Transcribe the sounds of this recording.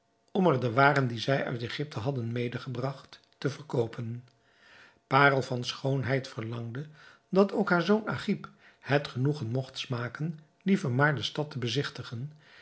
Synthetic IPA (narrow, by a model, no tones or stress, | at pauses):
ɔmɛɹdəʋaːrəndizɛjœ̰ɥteχɪp̚tʰəɦɑdənmejdəχəbrɑχtː | əvəɹkowpʰən | paːrəlˠvɑnsχownɦɛjtfəɹlɑŋdə | dɑtowkɦaːɹzowna̰χip | hɛtχənuχənmɔχtsmaːkən | livəɹmaːɹdəstɑtəbəzɪχtəχən